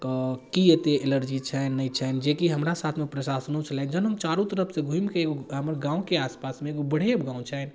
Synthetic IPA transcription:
kkiɦet̪eeləɾd͡ʒit͡ʃʰɛnːəit͡ʃʰɛnd͡ʒekiɦəmɾasat̪ʰmepɾəsasnõt͡ʃʰəlɛnd͡ʒənɦəmt͡ʃaɾũt̪əɾəpʰsẽɡʱũimkeeɡoɦəmɾɡãːũkeaːspasmẽːɡobəɽ̤ebɡãːũt͡ʃʰɛn

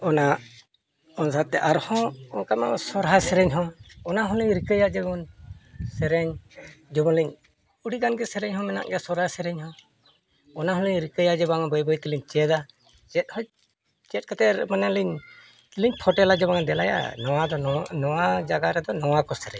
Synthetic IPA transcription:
ɔna | ɔnsat̪ːɛʔaɾhɔ̃ɔnkamɛʔɔsɔɾɦasɛɾɛɲɦɔ̃ɔnaɦɔ̃liɲɾikəjad͡ʒɛbɔnsɛɾɛɲd͡ʒɔbɔnliɲ | uɽiɡanɡɛsɛɾɛɲhɔ̃mɛna̰ʔɡɛsɔɾɦasɛɾɛɲhɔ̃ | ɔnaɦɔ̃liɲɾikəjad͡ʒɛbaŋbəjbəjt̪iliɲt͡ʃɛd̪a | d͡ʒɛt̪̚hɔ̃ | t͡ʃɛt̪̚kət̪ɛɾmanaliɲ | t̪iliɲpʰɔʈɛlad͡ʒɔbaŋd̪ɛlaja̰nɔwad̪ɔnɔwad͡ʒaɡaɾɛd̪ɔnɔwakɔsɛɾɛ̰ɲ

